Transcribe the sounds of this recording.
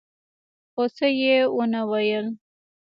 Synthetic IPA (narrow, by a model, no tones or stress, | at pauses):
xosejewonawajəl